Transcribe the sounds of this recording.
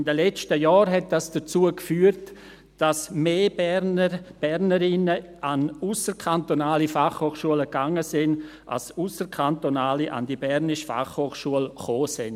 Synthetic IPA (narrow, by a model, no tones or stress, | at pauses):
ɪndəlɛt͡stəjɔːɾɦɛt̚d̥asd̥ət͡suəkfyːəɾt | d̥asmeːbnəb̥ɛɾnəɾɪnəʔanusəɾkʰantonaːlifaχhoːχʃuələɡaŋəsɪn | ʔa̰lsusəɾkʰantonaːliʔa̰ndibɛɾnɪʃfa̰χhoːχʃuəlχoːsɪn